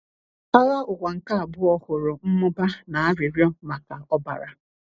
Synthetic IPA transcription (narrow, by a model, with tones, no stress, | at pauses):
a˦ɣa˦ʊ˨kʷa˨ŋ̩˨ka˦a˨bʊ˦ɔ˦hʊ˨ɾʊ˨m̩˦mʊ˦ba˦na˨a˦ɾɪ˨ɾjɔ˦ma˨ka˨ɔ˦ba̰˨ɾa˨